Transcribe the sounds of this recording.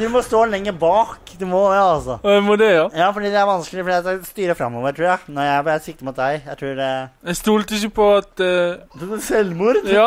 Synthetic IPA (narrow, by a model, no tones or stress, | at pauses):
d̪ʉmɔst̪oːlɛŋːəbɑːkd̪ɛmɔɑlsɔɛmɔd̪ɛojɑːfɔɖiːd̪ɛæɾʋɑnskəlɪfɔɖiːɑt̪æɪst̪yːɾəfɾɑmːɔʋəɾtʰɾuːanɔɾjæɪbɛɾsɪk̚t̪əmʊt̪̚d̪æɪjæɪt̪ʰɾuːɖɛæɪst̪uːlt̪ɪs̬əpʰɔɑt̪ | sɛlːmuːɾɑ